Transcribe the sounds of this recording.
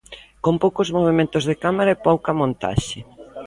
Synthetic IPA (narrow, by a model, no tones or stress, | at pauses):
kompowkozmoβ̞emẽnt̪ozðekamaɾɐepowkɐmõnt̪a̰ʃɪ